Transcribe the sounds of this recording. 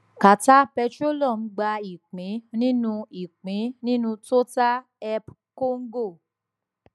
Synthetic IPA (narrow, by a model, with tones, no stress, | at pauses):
ka˨ta˦pɛ˧to˦lɔ˦˨n̩˦ɡ͡ba˧i˨k͡pĩ˨˦nĩ˦nũ˧i˨k͡pĩ˨˦nĩ˦nũ˧to˦ta˦ | ɛ˧p | ko˦ŋ̩˦ɡo˦˨